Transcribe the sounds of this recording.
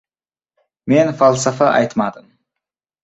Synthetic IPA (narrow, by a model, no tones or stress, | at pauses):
menfɑlˠsɑfɑʔɑjt̪mɑd̪əm